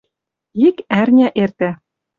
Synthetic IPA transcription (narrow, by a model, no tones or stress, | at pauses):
ikærnʲæʔert̪æ